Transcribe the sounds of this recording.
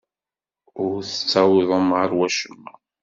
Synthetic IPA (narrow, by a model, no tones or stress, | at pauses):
ʊɾθət͡sːæwiðˤəmʁaɾwæʃəmːæ̰